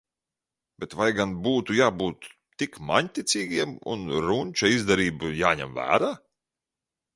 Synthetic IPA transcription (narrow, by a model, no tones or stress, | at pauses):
b̥ʲet̪vajɡanbuːt̪ujaːbuːt̪ː | ikma̰ɲʲt̪ʲit̪sʲiːɡʲiɛmṵnɾunʲt͡ʃaizd̪ɛɾiːbujaːɲɛ̰mvæ̰ːɾaː